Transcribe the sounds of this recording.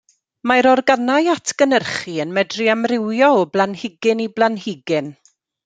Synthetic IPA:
maɾɔrɡanajatʰɡ̥ənərχiənmɛdriamrɪwjɔɔblˠanhɪɡɪniblˠanhɪɡɪn

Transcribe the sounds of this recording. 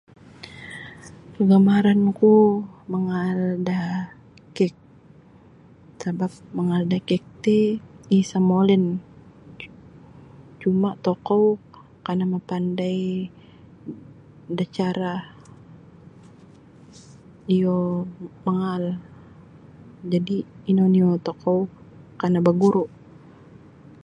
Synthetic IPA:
kəɡamaɾankuməŋalda | kɛk̚ | sabap̚məŋaldakɛk̚t̪iisamolɪn | t͡ʃumaʔt̪okɔw | kanamapandaj | dat͡ʃaɾa | ijomaŋal | d͡ʒadiːnoniɔt̪ɔkɔw | kanabaɡuɾuʔ

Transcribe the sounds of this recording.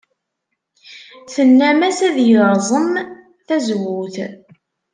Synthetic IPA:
θənːæmæsæðjəɾzˤəm | θæzwuθ

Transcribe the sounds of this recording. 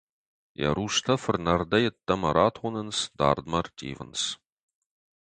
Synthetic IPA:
jɐ̰ɾuːʂt̪ʰɐfɨrnɐrdɐjɪt̪ːɐmɐɾʔaːtʰχʷʊnɨnsd̪a̰ːrd̪mɐrtʰʼḭːvə̰ns

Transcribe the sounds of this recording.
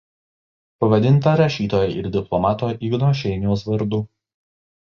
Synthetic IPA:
pɐʋɐd̪ʲɪnˑt̪ɐɾɐʃʲiːt̪oːjɛʔɪɾd̪ʲɪplˠɔmɑːt̪oːʔɪɡnoːʃ̬ʲɛɪnʲɪjoːsʋɐɾd̪u

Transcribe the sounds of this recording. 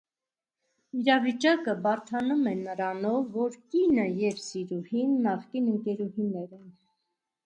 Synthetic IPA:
iɾɑvit͡ʃɑkəbɑɾt̪ʰɑnumɛnəɾɑnɔvːɔɾkinəjɛvsiɾuhinːɑχkinəŋkɛɾuhinɛɾɛn

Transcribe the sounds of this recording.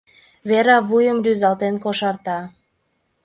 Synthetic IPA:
βeɾɑβujəmryzɑlt̪enkoʃɑrt̪ɑ

